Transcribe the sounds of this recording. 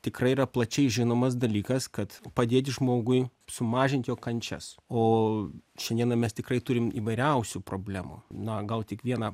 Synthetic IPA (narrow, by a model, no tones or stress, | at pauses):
t̪ʲɪkrɐɪiːrɐplˠɐt͡ʃʲɛɪʒʲɪnoːmɐsd̪ɐlʲiːkɐskɐt̪pɐd̪ʲeːt̪ʲʒmoːɡʊɪsʊmɑːʒʲɪnt̪joːkɐnʲt͡ʃʲɛ̰soːʃʲɛnd̪ʲiɛnɐmʲɛst̪ʲɪkrɐɪt̪ʊɾʲɪmḭːʋɐɪɾʲɛʊsʲupɾoːbʲlʲæːmṵnɐɡɐlˠt̪ʲɪkʋʲiɛnɐ